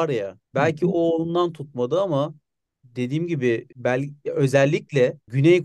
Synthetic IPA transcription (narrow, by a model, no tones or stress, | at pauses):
ɾjabælʲcʰioːlˠund̪ant̪ʰut̪̚mad̪ɯama | d̪e̞d̪iːmɟibɪbælʲø̞zɛlʲːiclʲɛɟynɛjk